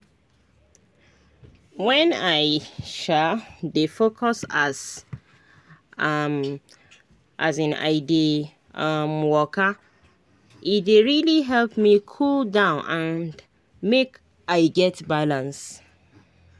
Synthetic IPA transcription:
wɛ̃naɪʃadefokʰɔsas | m | ʔazãna̰ɪdi | amwɔkə | it̚deɹiliɦɛlpmikʰuldãʊ̃nãn | mek | aɪɡɛtbalãns

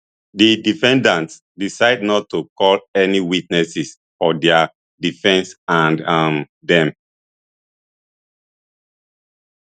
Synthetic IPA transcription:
didifɛ̃ndãnts | disaɪdnɔtːukɔlɛniwit̚nɛsis | fɔdɛa | difɛ̃nsãnm | dɛ̃m

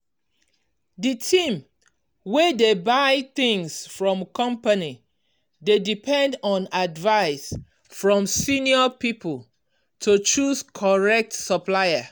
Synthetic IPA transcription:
ditʰĩm | wɛdebaɪθĩŋsfɹɔ̃mkɔ̃mpani | dedipʰɛ̃ndɔ̃nadvaɪs | fɹɔ̃msiniɔpipəl | tʰut͡ʃuskʰɔɹɛk̚tsəplaɪə

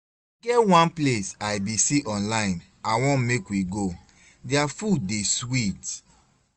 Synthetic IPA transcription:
ɡɛwãnplesajbisiʔɔ̃nlaɪ̃n | awɔ̃nmekwiɡo | diafudeswit

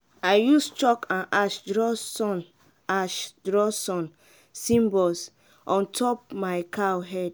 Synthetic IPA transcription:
aɪjust͡ʃɔkãnaʃdɹɔsɔ̃n | aʃdɹɔsɔ̃n | sĩmbɔs | ʔɔ̃ntʰɔp̚maɪkʰaoɦɛd

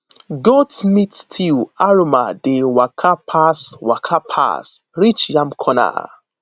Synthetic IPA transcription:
ɡɔtmitstʰiwaɹomadewakʰapʰaswakʰapʰa̰s | ɹit͡ʃjamkʰɔna̰

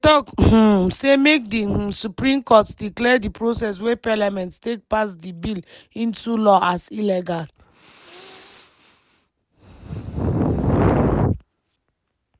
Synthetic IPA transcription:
tɔkh̩semek̚dih̩supɾĩmkɔtdiklɛdipɹosɛs̬wepalamɛ̃nttek̚pasdibilĩntulɔʔasilɛɡal

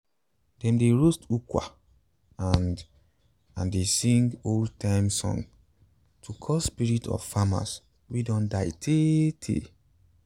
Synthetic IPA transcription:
d̥ɛ̃mdeɹostukwa̰ | an | ãndesĩŋɡoltʰãɪmsɔ̰̃n | tʰukʰɔsspiɹitʰɔ̰v̥fama̰s | wedɔ̃ndaɪtʰetʰḛ

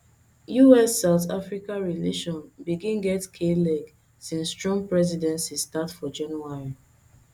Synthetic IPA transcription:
juɛsːaʊta̰fɹikãɹileʃɔ̃nbiɡĩnɡɛtkʰelɛɡ | sĩnsːtɹɔ̃mpɹɛz̬idɛ̃nsistatfɔd͡ʒãnuaɹi

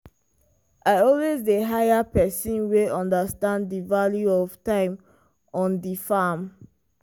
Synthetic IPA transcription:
ʔaɪɔlwezdeɦajapɛsĩnweɔ̃ndəstãnddivaljuɔv̥tãɪ̃m | ɔ̃ndifam

